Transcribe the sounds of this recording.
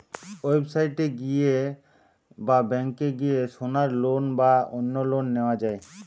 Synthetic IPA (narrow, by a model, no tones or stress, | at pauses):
wobsaiʈeɡie | babɛ̃ŋkːeɡijeʃonaɾloːnbaonːolonːewad͡ʒaːe